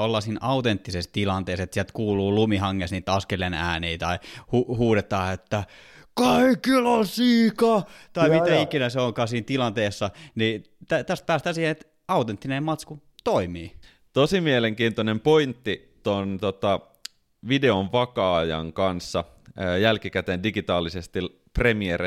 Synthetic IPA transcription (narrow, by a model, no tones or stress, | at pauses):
olːɑsiːnʔɑut̪ent̪ːisest̪ilɑnt̪eˑːset̪siælt̪kuːluːlumihɑŋːesniːt̪ɑskelenæ̰ːniːt̪ɑihuhuːɾet̪ɑːet̪ːæ | kɑikilɑsiːkɑt̪ɑimit̪æikinæseoŋkɑːsiːnt̪ilɑnt̪eːsːɑni | t̪æt̪æst̪̚pæːst̪æːsiːhenet̪ | ɑut̪ent̪ːinemɑt̪sku | t̪oimiː | t̪osimieleŋkiːnt̪onempoint̪ːi | t̪ont̪ot̪ɑ | ʋideonʋɑkɑɑjɑ̰ŋkɑnsːɑ | jælkikæt̪endiɡit̪ɑːlisest̪i | premier